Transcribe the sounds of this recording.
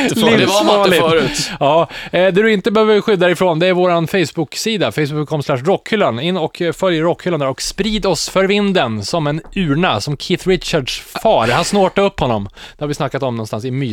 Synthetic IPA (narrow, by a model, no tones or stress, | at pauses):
livɑlɪʉt̪ɑːd̪ɛd̪ɵɪnt̪əbɛhøːvəɾɧʏd̪ːaɾɾɪfɾoːnd̪ɛæɾvoːɾanfɛjsbʊksiːd̪afɛjsbʊkʰːɔmslæʂ̬ɾɔkʰːhʏlːanɪnːɔkfœljəɾɔkːhʏːland̪æɾɔkspɾiːd̪ɔsfœɾvɪnd̪ənsɔmɛnʉ̟ːɳasɔmkʰɪt̪ɾɪt̪t͡ʃaɖʂfɑːɾhansnoːʈːaɵpːhɔnːɔ̰md̪ɛhaɾvɪsnakːat̪ɔmnɔnst̪ansɪmyː